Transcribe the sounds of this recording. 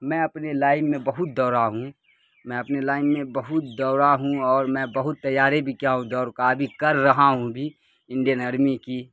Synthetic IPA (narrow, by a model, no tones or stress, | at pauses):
mɛ̃ɐpnelaːɪmːẽbɐɦʊt̪̚d̪ɔːɾaɦũ | mɛ̃ɐpnelaːɪmːẽbɐɦʊt̪̚d̪ɔːɾaɦũɔːɾmɛ̃bɐɦʊt̪ːɐjaːɾebʱikjaɦũd̪ɔːɾkabʱikɐɾːɐɦaɦũbʱi | ɪ̃ɳɖijənɐɾmiki